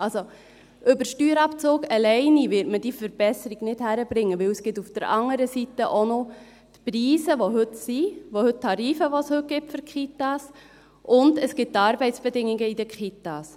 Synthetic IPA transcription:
ɑlso | ʔɵbəɾʃtyːɾɑpt͡soːɡɛlɛɪniʋɪɾtməd̥ifəɾb̥ɛsəɾiɡnɪthæɾəbɾɪŋːəʋɪwəsɡ̥ɪtufd̥əɾɑŋəɾəsitəʔono | tpriːsəʋoɦɵtsiʋohɵttʰːɑɾiːfəʋoshɵt̚ɡ̥ɪptfʏɾkχitɑs | ʔʊndəsɡ̥ɪt̚tːɑːɾbɛɪtt͡sb̥ɛdɪŋiɡəidəkχit̪ɑs

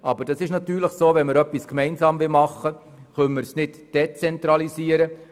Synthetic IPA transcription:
ʔɑbəɾd̥ɑsɪʃnɑt̪yːɾləχsoːvɛnməɾœpːiskmɛɪnzɑːmvɪlmɑχːə | χœnməɾsnɪtd̥ɛt͡sɛnt̪ɾɑliziːəɾə

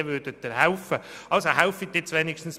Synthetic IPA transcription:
ʋʏːd̥ət̪ːəɾɦaʊfə | ʔɑlsoɦaʊfit̪̚ːɪt͡sʋeːnikʃtn̩s

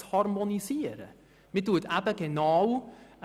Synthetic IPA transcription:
hɑrmoniziəɾə̰ | mituətæbəɡenɑːw

